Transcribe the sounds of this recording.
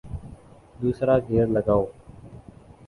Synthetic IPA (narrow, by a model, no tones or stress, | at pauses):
d̪uːsɾaːɡʱeːɾləɡaːoː